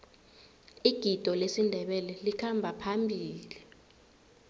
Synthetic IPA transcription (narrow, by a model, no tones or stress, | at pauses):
iɡ̥ʱid̥ʱɔlesindʱɛɓɛlɛlikʰambʱapʰambʱiːli